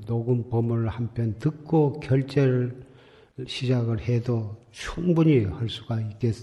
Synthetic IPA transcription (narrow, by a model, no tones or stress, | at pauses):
noɡunpʌmɯɾɭhampʰjʌntɯk̚k͈okjʌɭt͡ɕ͈eɾɭ | ɕʰid͡ʑaɡɯɭhedo | t͡ɕʰuŋbuɲihʌɭs͈u̥ɡaik͈e̞s͈